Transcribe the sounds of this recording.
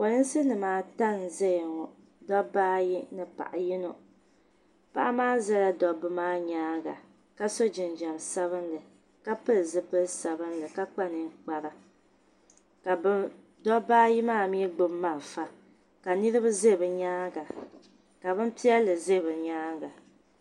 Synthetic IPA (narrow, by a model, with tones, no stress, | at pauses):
ko˨nɨ˦n˦sɨ˦nɨ˨maː˨˦ta˦n˨zɛ˦jŋɔ˨ | dɔ˦baː˦ji˦nɨ˨pa̰˨ʔa̰˨jɪ˦no˨ | pa̰˦ʔa˦maː˦zɛ˦la˦dɔ˦bɨ˦maː˦ɲaː˦ɡa̰˨ | ka˦so˦d͡ʒɪ˨nd͡ʒa˨msa˦βɨ˦nlɨ˨ | ka˦pɨ˦lzɨ˦pɨ˦lsa˨bɨ˦nlɨ˨ka˦k͡pa˦nɨ˨ŋ˦k͡pa˨ɾa˨ | ka˨˦ | dɔ˦baː˦ji˦maː˦˨mi˦ɡ͡bʊ˦mːa˦˨ɾfa˨ | ka˨nɨ˦ɾɨ˦βɨ˦ze˦˨bɨ˨ɲaː˦ɡa˨ | ka˨βɨ˦m˦pi˦ɛ˦lɨ˨zɨ˦˨bɨ˨ɲaː˦ɡa˨